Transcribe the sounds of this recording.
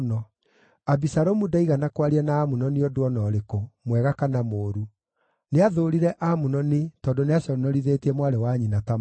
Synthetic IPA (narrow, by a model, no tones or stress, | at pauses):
nɔ | abisaɾomudaiɣanakwaɾiɛnaːmunɔniɔdoɔnɔːɾekomwɛɣakanamoːɾu | neaðoɾiɾɛʔamunɔnetɔːndoneaɕjɔɾnɔɾiðeːtiɛmwaɾɛwaɲinatam